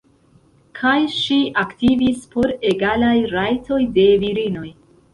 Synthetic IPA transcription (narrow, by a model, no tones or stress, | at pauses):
kʰajʃiʔaktivispʰo̞ɾe̞ɡalajɾajtʰo̞jde̞viɾino̞j